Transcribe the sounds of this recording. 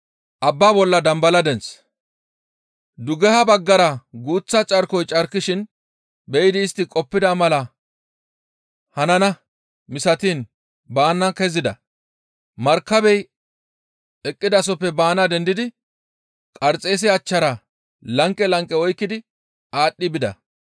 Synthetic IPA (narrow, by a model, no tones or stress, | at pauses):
ʔɐbːaːbɔlːɐd̪ɐmbɐlɐd̪ɛns | d̪ʊɡɛhɐbɐɡːɐɾɐɡuːt͡sːɐt͡ʃʼɐɾkɔjt͡ʃʼɐɾkːɪʃɪn | bɛjɪd̪ɪːst̪ːɪkʼɔpːɪd̪ɐmɐlɐ | hɐnɐnɐ | mɪsɐt̪iːn | baːnːɐkɛzɪd̪ɐ̰ | mɐɾkːɐbɛj | ɛkʼːɪd̪ɐs̬ɔpːɛbaːnɐd̪ɛnd̪ɪd̪ɪ | kʼɐɾt͡sʼe̞ːs̬ɪɐt͡ʃːɐɾɐ | lɐŋkʼːɛlɐŋkʼːɛɔjkːɪd̪ɪ | aːɗːɪbɪd̪ɐ̰